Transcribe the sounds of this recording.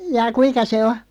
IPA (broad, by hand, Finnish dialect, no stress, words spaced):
jɑː kuinkɑ se o